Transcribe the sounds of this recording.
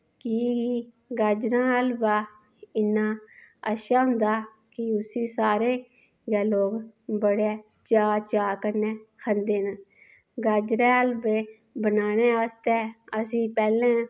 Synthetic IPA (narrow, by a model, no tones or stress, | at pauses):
kɪ | ɡaːd͡ʒɾãːəlbaː | ɪnːãːəʃaːɦʊ̃nd̪aː | kɪʊsiːsaːɾeː | ɡɛːloːɡbəɽeː | t͡ʃaːt͡ʃaːkəɾnɛːkʰənd̪eːnə | ɡaːd͡ʒɾɛ̃ːəlbeː | bənaːnɛ̃ːəst̪ɛːəsĩːpɛːlɛ̃ː